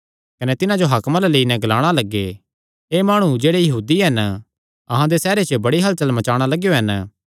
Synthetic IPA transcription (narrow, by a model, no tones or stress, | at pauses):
kɐnɛt̪ɪnãd͡ʒoɦɐkmãlaleːinɛ̃ɡɐlaːɽ̃alɐɡːe | eːmaːɽ̃ud͡ʒeːɽejɐɦuːd̪iɦɐn | ɐ̰ɦãd̪esɛːɾet͡ʃəbɐɽiɦɐlt͡ʃɐlmɐt͡ʃaːɽ̃alɐɡjoɦɐn